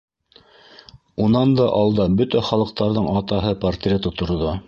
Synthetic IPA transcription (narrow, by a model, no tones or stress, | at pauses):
unɑnd̪ɑʔɑlˠd̪ɑbɵt̪æχɑlˠɤ̆q̚t̪ɑɾðɤɴɑt̪ɑɦɤpɐrt̪rʲet̪ŏt̪ŏɾðo